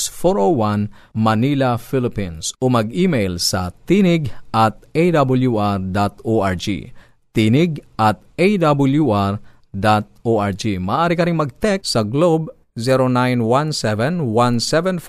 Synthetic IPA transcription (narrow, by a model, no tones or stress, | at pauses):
sfoɹowanmɐnilɐfilɪpinsomɐɡʔimejlsɐ̰t̪inɪɡʔɐt̪̚ejd̪abʊljuʔaɹd̪at̪oaɹd͡ʒḭ | t̪inɪɡ̚ʔɐt̪̚ʔejd̪abʊljuʔaɹ | d̪at̪̚oʔaɹd͡ʒimɐʔaːɾɪkɐɾɪŋmɐɡ̚t̪ɛk̚ssɐɡlob | zɛɾonajnwansɛvɛnwansɛvɛnf